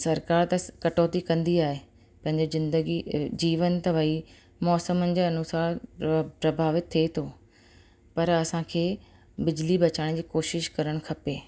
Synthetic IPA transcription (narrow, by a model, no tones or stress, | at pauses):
sɐɾkaːɾt̪ɐkɐʈoːt̪ikɐ̃nd̪iaːɦe | pɐ̃ɦɪ̃ɲd͡ʑeɪ̃nd̪əɡid͡ʑiːʋənt̪ɐʋɐi | mɔːsəmənɪ̆d͡ʑeɐnʊsaːɾpɾɐbʱaːʋɪt̪ʰːet̪ʰoː | pɐɾɐsãkʰeː | bɪd͡ʑlibɐt͡ɕaːɽ̃d͡ʑiːkoːʃɪʃkɐɾəɽ̃kʰɐpeː